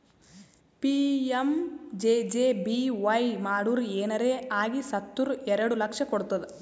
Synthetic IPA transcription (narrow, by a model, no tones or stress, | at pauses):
piemd͡ʒeːd͡ʒeːbiʋɐjmaːɽuɾeːnɐɾeːaːɡisɐt̪ːuɾuɛɾɐɽulɐkʂɐkoɽut̪ːɐd̪e